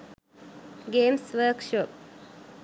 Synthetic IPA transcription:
ɡeːmsʋəɾkʃop̚

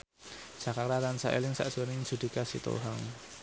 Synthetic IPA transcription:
ʒ̥a̤kart̪at̪ansaʔḛlɪŋsa̰ʔdʒ̥onɪŋ̥ʒ̥ṳd̪̥i̤kasḭt̪o̰ɦaŋ

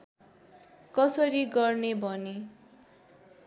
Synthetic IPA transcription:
kʌsʌɾiɡʌrnebʱʌne

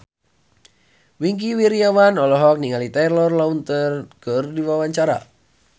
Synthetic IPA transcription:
wiŋkiwiɾiawanɔlɔɦɔk̚niŋalit̪alɔrlaunt̪ərkərdiwawaɲt͡ʃaɾa̰

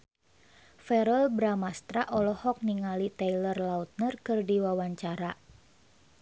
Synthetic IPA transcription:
fɛɾɔlbɾamast̪ɾaʔɔlɔhɔk̚niŋalit̪ɛilərlaut̪̚nərkɨrdiwawaɲt͡ʃaɾa

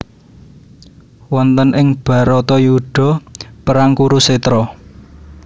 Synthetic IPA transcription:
wɔnt̪ənʔɪŋb̥a̤ɾɔt̪ɔjuɖ̥ɔ̤pəɾaŋkuɾuset̪ɾɔ

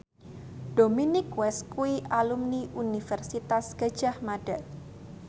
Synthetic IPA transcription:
d̥ominɪkwɛskuiʔalumniʔunifɛrsit̪asɡ̥ḁd͡ʒ̥ahmad̥at̪

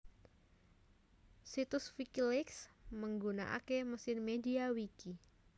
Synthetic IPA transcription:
sit̪ʊsfikilɪksməŋɡuna̰ʔa̰keməsɪrmediawiki

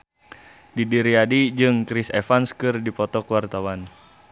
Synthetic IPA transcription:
didiɾiadid͡ʒɨŋkɾisɛfanskɨrdipɔt̪ɔkəwart̪awan

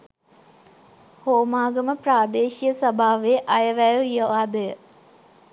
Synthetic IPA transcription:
hoːmaːɡəməpraːd̪eːʃijəsɐbʱaːʋeʔɐjəʋæjəʋioʋaːd̪əjə

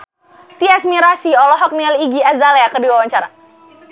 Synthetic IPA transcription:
t̪iasmiɾasiɔlɔɦɔk̚nialiɡiazaleakərdiwawaɲt͡ʃaɾa̰

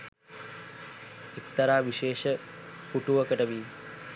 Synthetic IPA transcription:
ekt̪ɐɾaːʋiʃeːʃəkuʈuʋɐkəʈəʋiː

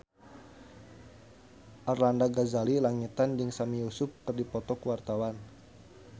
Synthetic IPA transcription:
ʔarlandaɡazalilaŋut̪and͡ʒɨŋsamijusʊp̚kɨrdipɔt̪ɔkwart̪awan

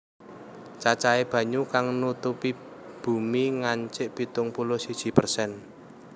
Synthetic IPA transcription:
t͡ʃat͡ʃaeb̥ä̤ɲukaŋnut̪upib̥ṳmiŋaɲt͡ʃɪʔb̥it̪ʊŋpulosid̥ʒ̥i̤pərsɛn

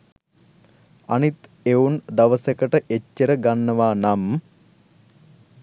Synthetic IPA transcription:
a̰nit̪ | eund̪aʋəsəkəʈəʔet͡ʃːəɾəɡanːəʋaːnamː

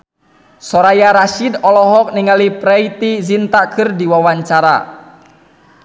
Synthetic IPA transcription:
sɔɾajaɾaʃidɔlɔɦɔk̚niŋalipɾɛit̪izint̪akʰɨrdiwawaɲt͡ʃaɾa̰

